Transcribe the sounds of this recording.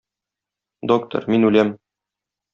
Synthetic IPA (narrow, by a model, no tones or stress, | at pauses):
d̪ok̚t̪o̰ɾminʉlæm